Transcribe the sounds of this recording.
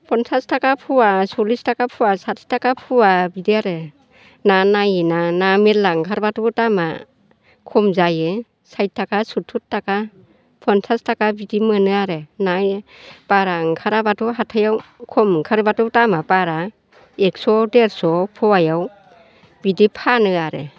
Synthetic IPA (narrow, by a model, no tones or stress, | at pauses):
pʰɔnsʰastakapʰuwasɔlistakapʰuwasatʰi̥takapʰuwabidiaɾɯ | nanajinanametlaŋkʰaɾbatutama̰ | kʰɔmzajɯ | sajt̚ʰːakasutʰutːaka | pʰɔntʰastakabidimɯnɯaɾenajpaɾaŋkʰaɾabatuɦatʰajawkʰɔmkʰaɾbatɔtamapaɾa | eksɔdeɾsɔpʰɔwajaw | bidipʰanɯaɾe